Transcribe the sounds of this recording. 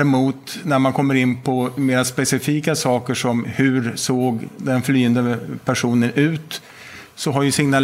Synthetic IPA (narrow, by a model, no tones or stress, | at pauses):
ɛmuːt̪næɾmankʰɔmːəɾɪnːpʰɔmeːɾaspɛsɪfiːkasɑːkəʂɔmhɵ̟ɾsoːɡd̪ɛnflyːənd̪əpʰæʂuːnənʉ̟ːt̪ | sɔɦaɾjɵsɪŋnal